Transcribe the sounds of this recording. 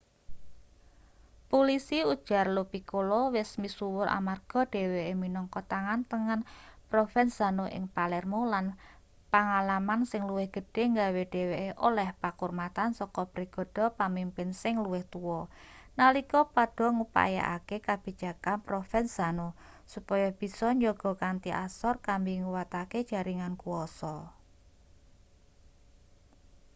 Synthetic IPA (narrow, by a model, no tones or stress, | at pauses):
polisiud̥ʒ̥a̤rlopikolɔwɪsmisuwʊɾʔa̰marɡ̥ɔ̤ɖ̥e̤weeminɔŋkɔt̪aŋant̪əŋanpɾofɛnsanoʔɪ̰ŋpalɛrmolan | paŋalamansɪŋluwɪhɡ̥ə̤ɖ̥e̤ŋɡaweɖ̥eweeʔolɛhpakurmat̪ansɔkɔbɾiɡ̥ɔ̤ɖ̥ɔ̤pamimpɪnsɪŋluwɪht̪uwɔnalikɔpaɖ̥ɔ̤ŋupa̰ja̰ʔa̰kekab̥i̤d̥d͡ʒ̥a̤kanpɾofɛn̥a̤no | supɔjɔb̥i̤sɔɲɔɡ̥ɔ̤kant̪iʔasɔrkambiŋuwat̪aked̥ʒ̥a̤ɾiŋankuɔsɔ